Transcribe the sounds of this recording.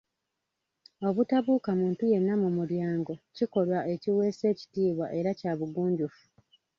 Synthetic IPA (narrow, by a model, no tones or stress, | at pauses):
o̞βutaβuːkamuːntuje̞nːamumuɾjaːŋɡo̞ciko̞lwaʔe̞ciwe̞ːse̞ːci̥tiːβwa̰ʔe̞ɾacaːβuɡuːɲɟufu̥